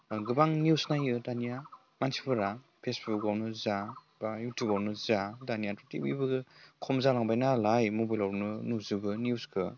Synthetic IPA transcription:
ɡɯbaŋniusnajɯdanija | mansi̥pʰɯɾa | pʰesbuk̚awnɯzabajutʰjubawnɯzadanijatutḭbḭbɯɡɯkʰɔmzalaŋbajnalajmobajlawɾnɯnuzɯɡɯniuskʰɯ

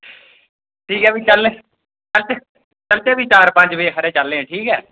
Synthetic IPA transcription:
ʈʰiːkɛːbiːt͡ʃəlːe | t͡ʃəlt̪e | t͡ʃəlt̪eːbʱiːt͡ʃaːɾpə̃ɲd͡ʒʋeːɦəɾeːt͡ʃəlːẽːʈʰiːkɛː

